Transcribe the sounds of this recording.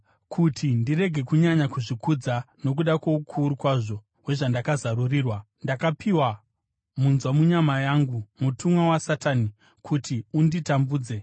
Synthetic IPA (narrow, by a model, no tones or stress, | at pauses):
kʰutʰindire̞ɡʱe̞kuɲaɲakuʐikud͡za | no̞k̬uɗako̞ukʰuɾukwaʐo̞ | ɦwe̞ʐandakazaruriːrwa | ndakapiwa | munzwamuɲamajaŋɡumutʰumwawasatani | kʰutʰiunditambuːd͡ze̞